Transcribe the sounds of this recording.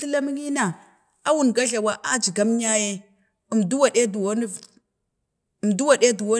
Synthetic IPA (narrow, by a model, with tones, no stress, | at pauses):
ɬə˦la˦mi˦ŋi˦na˨ | a˦wu˨nɡa˦ɮa˨wa˦ʔa˦d͡ʒi˨ɡa˦m˦ɲa˦je˦ | i˨mdu˦wa˨ɗe˦du˨wo˦ni˦ | i˨mdu˦wa˨ɗe˦du˨wo˦